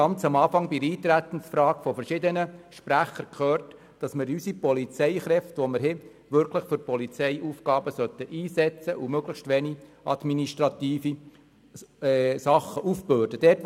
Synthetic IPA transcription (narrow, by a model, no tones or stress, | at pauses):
ɑnt͡sɑmɑːfɑŋbiɾiːt̪ɾæt̪ən̩sfɾɑːɡ̥fɔfəɾʃɪd̪ənəʃpɾæχəɾkʰχøːrt | d̥ɑsmɪɾysipɔlit͡sɛɪχɾɛft̪ʋɔmɪɾɦɪ | ʋʏɾkʰləχfʏɾpɔlit͡sɛɪʔufkɑːbəsœt̪ːəʔiːsɛt͡səʔumøɡləχʃtʋɛni | ɑd̥miniʃtɾɑt̪iːfi | sɑχəʔufbøːd̥əd̥ɛːt